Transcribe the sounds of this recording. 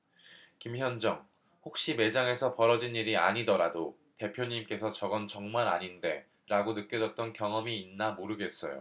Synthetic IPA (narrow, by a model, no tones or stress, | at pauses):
kimçjʌnd͡ʑʌŋ | hok̚ɕ͈ime̞d͡ʑaŋe̞sʰʌpʌɾʌd͡ʑiniɾia̰ɲidʌɾado | te̞pʰjoɲimk͈e̞sʰʌt͡ɕʌɡʌnt͡ɕʌŋmaɾa̰ɲinde̞ | ɾaɡonɯk͈jʌd͡ʑʌt̚t͈ʌnkjʌŋʌmiːnːamoɾɯɡe̞s͈ʌ̰jo̰